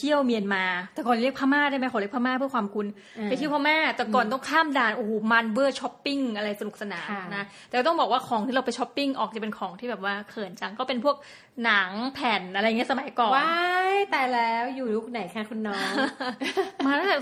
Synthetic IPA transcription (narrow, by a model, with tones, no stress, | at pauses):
t̪ʰi˥˩əwmi˧ənmaː˧t̪ɛː˨˩kɔ˨˩li˥əkpʰaː˥maː˥˩da˥˩jma˦˥jka˨˩˦li˥pʰa˥mɛː˥pʰɯ˥˩əkʰwaː˧mkʰu˧n | a˧jt̪ʰi˥˩pʰɔː˦˥mɛː˥˩t̪ɛː˨˩kɔː˨˩nt̪ɔ˥˩ŋkʰaː˥˩mdaː˨˩nʔoː˨˩˦ma˧nwɯː˥˩t͡ɕʰɔ˦˥pːi˥˩ŋʔa˧ɾa˧jsa˧nu˨˩k̚sa˧naː˨˩˦mm˧na˦˥t̪ɛ˨˩kːt̪bɔː˨˩k̚waː˥˩kʰɔː˩˦ŋt̪ʰiː˥˩ɾa˧wpa˧jt͡ɕʰɔ˦˥pːi˥˩ŋʔɔː˨˩k̚t͡ɕa˨˩pe˧nkʰɔː˩˦ŋt̪ʰiː˥˩ɛː˨˩p̚waː˥˩kʰɤː˨˩nt͡ɕa˧ŋkɔː˥˩pe˧npʰu˥˩ək̚ | na˩˦ŋpʰɛː˨˩nʔa˧ɾa˧jːŋi˦˥˩sa˧ma˨˦jkɔː˨˩wa˦jt̪ɛː˨˩lɛː˦˥wjuː˨˩lu˦˥˩k̚na˨˩˦jkʰa˦˥kʰu˧nːɔː˦˥ŋ | maː˧a˥ɛ˨˩